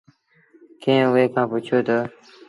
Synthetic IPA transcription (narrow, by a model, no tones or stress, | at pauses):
kẽːweːkãːput͡ɕʰoːt̪ə